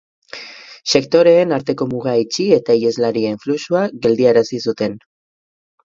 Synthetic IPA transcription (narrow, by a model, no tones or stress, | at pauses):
se̞kt̪o̞ɾe̞ːnaɾt̪e̞ko̞muɣ̞ait͡ʃie̞t̪aie̞zlaɾie̞ɱflusuaɣe̞ld̪iaɾasisut̪e̞n